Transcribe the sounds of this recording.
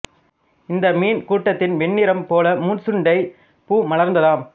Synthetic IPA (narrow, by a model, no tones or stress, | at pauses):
ɪnd̪ɐmiːnkuːʈːɐt̪ːɪnʋɛɳːɪɾɐmpoːlɐmuːnsɯɳɖɐɪ | puːmɐlɐɾnd̪ɐlaːm